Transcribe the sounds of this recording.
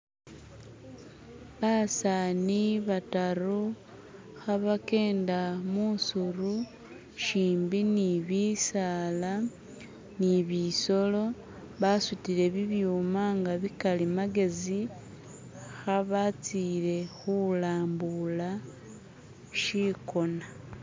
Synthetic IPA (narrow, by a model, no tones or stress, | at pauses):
βasaːniβataɾu | xaβake̞ːndamusuɾu | ʃiːmbiniβisaːla | niβiso̞lo̞ | βasutiɾe̞βiβjuːmaŋɡaβikalimaɡe̞zi | xaβat͡siɾe̞xulaːmbula | ʃiko̞na